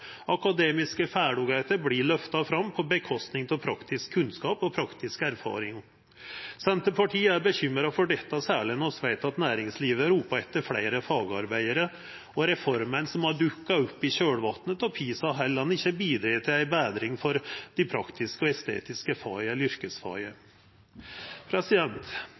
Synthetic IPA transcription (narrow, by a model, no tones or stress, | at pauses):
ɑkɑd̪eːmɪskəfæːɖʊɡæɪt̪əɾblɪɭœft̪ɑfɾɑmːpʰɔbəkʰɔst̪nɪŋt̪ʰɔlpʰɾɑkt̪ɪskʰːʉnskɑːpɔpʰɾɑkt̪ɪskæɾfɑ̰ːɾɪŋ | sɛnt̪əpʰɑʈʰiːəæɾbəçʏmɾɑfɔɖɛt̪ːɑsæːɭɪnɔsʋæɪt̪ɑt̪næːɾɪŋsliːʋəɾuːpɑɛt̪ːəɾfɽḛɪɾəfɑːɡɑ̰ɾbæɪəɾə | ɔɾɛfɔɾmənsɔmhɑɖʉkːɑɔpːɪɕøːɽʋɑt̪nət̪ɔpʰiːsɑɦɛlːəɑnɪçːəbiːd̪ɾiːt̪ʰɪlæɪbæːd̪ɾɪŋfɔɾd̪̥ɪpʰɾɑkt̪ɪskəɔɛst̪ḛːt̪ɪskəfɑːɪəlʏɾkəsfɑ̰ːɪə | pʰɾɛsɪd̪ɛnt̪